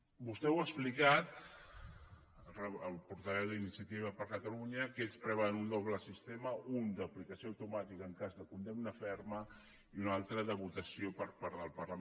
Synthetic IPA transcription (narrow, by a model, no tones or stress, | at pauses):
bust̪ɛwəksplikat̪ | rəəlˠpuɾt̪əβɛwðinisiət̪iβ̞əpəɾkət̪əluɲəkespɾɛβanund̪ɔβləsist̪eməund̪əplikəsioəwt̪umat̪ikəːŋkazðəkund̪emnəfɛɾmə | iunalˠt̪ɾəðəβut̪əsiopəɾpaɾðəlˠpərlə